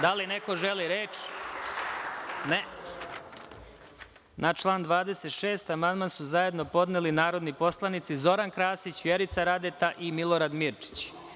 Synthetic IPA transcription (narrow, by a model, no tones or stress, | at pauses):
d̪alineko̞ʒeliɾeːt͡ʃ | ne | nʔat͡ʃlˠaːnd̪ʋaːd̪eset̪ʃe̞ːst̪amand̪mansuzaje̞d̪no̞po̞d̪nelinaːɾod̪nipo̞slˠanit̪sizo̞ɾankɾaːsit͡ɕʋjeɾit̪saɾad̪et̪aʔimilˠo̞ɾad̪miɾt͡ʃi̥t͡ɕ